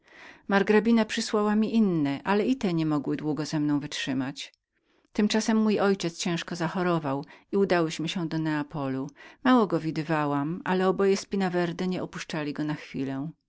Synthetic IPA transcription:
maɾɡɾabʲinapʂɘswawamʲiʔinːɛʔalɛit̪ɛɲɛmɔɡwɘd̪wuɡɔzɛmnɔ̃w̃vɘtʂɘmat͡ɕ | t̪ɘmt͡ʂasɛmːujɔjt͡ɕɛt̪st͡ɕɛ̃ʂkɔzaxɔɾɔvawiud̪awɘɕmɘɕɛd̪ɔnɛapɔlumawɔɡɔvʲid̪ɘvawamalɛɔbɔjɛspʲinavɛɾd̪ɛɲɛɔpuʂt͡ʂalʲiɡɔnaxfʲḭlɛ̃

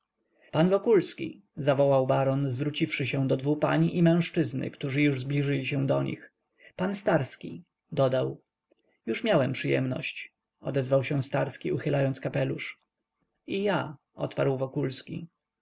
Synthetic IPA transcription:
panvɔkulskʲḭ | zavɔwawbaɾɔnzvɾut͡ɕifʂɘɕɛ̃d̪ɔd̪vupa̰ɲiʔimɛ̃w̃ʂt͡ʂɘznɘ̰kt̪uʐɘjuʐzblʲiʐɘlʲiɕɛ̃w̃d̪ɔɲḭx | panst̪aɾskʲḭ | d̪ɔd̪aw | juʂmʲjawɛmpʂɘjɛ̰mnɔ̰ɕt͡ɕ | ɔ̰d̪ɛzvawɕɛ̃st̪aɾskʲiuxɘlajɔnt̪skapɛluʂ | ija | ɔ̰t̪pa̰ɾwvɔkulskʲḭ

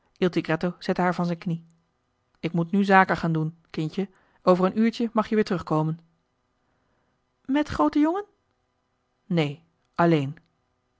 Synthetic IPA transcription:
ʔilˠtiɡrɛtoz̥ɛtəɦaːɹvɑnzɛjnkni | ɪkmutnyzaːkəχaːndunkɪncə | ʔowvərənyːɹcəmɑχjəʋɪːɹtərʁɵχkowmən | mɛtχrowtəjoŋən | nej | ʔɑlejn

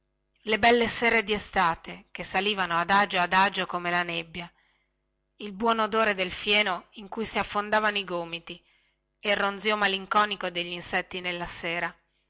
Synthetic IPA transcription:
lebɛlːesɛːɾed̪iest̪aːt̪ek̟esːaliːvanoad̪ad͡ʒoad̪ad͡ʒokomelanebːja | ilbwɔːnod̪oːɾed̪elfjɛːnoiŋkujsiafːond̪aːvanoiɡoːmit̪i | erːond̪ziomaliŋkɔːnikod̪eʎːinsɛt̪ːinelːaseːɾa

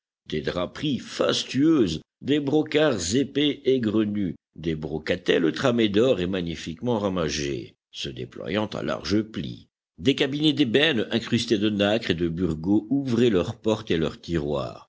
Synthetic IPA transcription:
d̪ed̪ʁapχifa̰st̪yøːz | d̪ebʁɔkaʁzepeːɡʁəny | d̪ebʁɔkat̪ɛlət̪χamed̪ɔʁemaɲifikmɑ̃ʁamaʒḛ | səd̪ḛplwa̰jɑ̃t̪ã̰la̰ʁʒəplḭ | d̪ekabined̪ebɛnɛ̃kχyst̪ed̪ənakχed̪əbyʁɡouvʁɛlœʁpɔʁt̪elœ̰ʁt̪iʁwa̰ːʁ

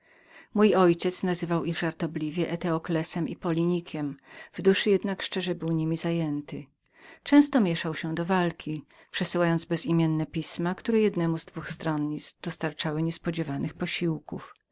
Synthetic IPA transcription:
mujɔjt͡ɕɛt̪snazɘvawiɣʐaɾt̪ɔblʲivʲjɛʔɛt̪ɛɔklɛsɛmipɔlʲiɲikʲʰɛmvd̪uʂɘjɛd̪nakʂt͡ʂɛʐɛbɘwɲimʲizajɛnt̪ɘ | t͡ʂɛ̃w̃st̪ɔmʲjɛʂawɕɛd̪ɔvalkʲi | pʂɛsɘwajɔnd̪zbɛzimʲjɛnːɛpʲismakt̪uɾɛjɛd̪nɛmuzd̪vuxst̪ɾɔnɲisd̪̥ɔst̪aɾt͡ʂawɘɲɛspɔd͡ʑɛvanɘxpɔɕiwkuf

